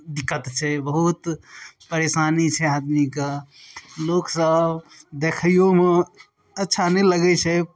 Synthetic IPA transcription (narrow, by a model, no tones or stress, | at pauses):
d̪ikːət̪t͡ʃʰɛbəɦut̪pəɾeːsaːnit͡ʃʰɛad̪mika | loːksəbd̪ekʰəjome | ɐtːʃʰaneləɡɛt͡ʃʰɛ